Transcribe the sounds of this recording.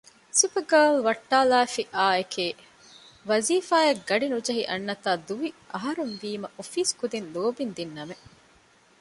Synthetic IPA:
sipɐɡɐːlʋɐʈːaːlaːfiʔaːekeː | ʋɐziːfaːɐɡɐɖinud͡ʒɐɦiʔɐnːɐt̪aːd̪uʋiʔɐɦɐɾunʋiːmɐʔofiːskud̪inloːbind̪inːɐme

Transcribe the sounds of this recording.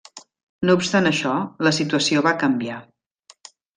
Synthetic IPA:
noupst̪anəʃɔləsit̪uəsioβakəmbia

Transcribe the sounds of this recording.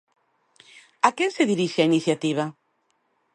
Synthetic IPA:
akeŋseðiɾiʃeainiθjat̪iβ̞a

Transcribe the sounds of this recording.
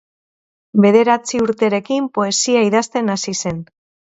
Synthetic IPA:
be̞ðe̞ɾat͡siuɾt̪eɾe̞kimpo̞e̞siaiðast̪e̞nasise̞n

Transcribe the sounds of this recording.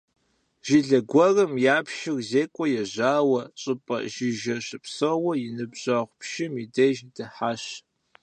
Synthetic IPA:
ʒ̥iɮɐɡʷɔrɐmjaːpʃɪrzeːkʷʼɔjɛʑaːwɐɕʼɨpʼɐ̰ʒɪʒɐɕɪpsowɐjɪnɨbʑɐʁʷpʃɪmidɐjʒdɨħaːɕ

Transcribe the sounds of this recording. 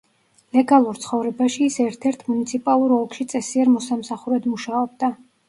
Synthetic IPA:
lɛɡalˠuɾt̪sʰχɔvɾɛbaʃiːsɛɾt̪ʰɛɾt̪ʰmunit̪sʰipʼalˠuɾɔlˠkʃit̪sʼɛsiɛɾmɔsamsaχuɾɛd̪muʃaɔb̚d̪a

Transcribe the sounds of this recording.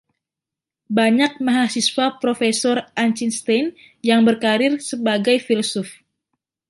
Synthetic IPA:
baɲak̚maɦasiswapɾofesɔrʔant͡ʃinst̪an | jaŋbərkaɾɪrsəbaɡajfilosɔf

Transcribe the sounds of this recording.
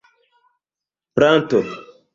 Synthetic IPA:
pɾan̩toɾ

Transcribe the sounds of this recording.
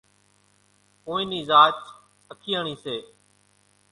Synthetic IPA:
õːĩːniːzaːt͡ʃ | əkʰiːəːɳiːseː

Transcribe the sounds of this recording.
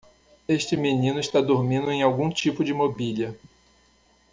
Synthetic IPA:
eʃt͡ʃɪminĩnʊiʃt̪ad̪oɾmĩnd̪ʊẽj̃awɡũt͡ʃipʊd͡ʒɪmobiliɐ

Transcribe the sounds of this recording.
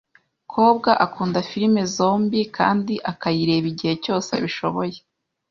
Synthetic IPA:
kʰo̞ːbɡaʔakuːndafiɾime̞zo̞ːmbika̰ːndiʔakajiɾe̞ːβiɟihe̞co̞ːsḛβiʃo̞βoje̥

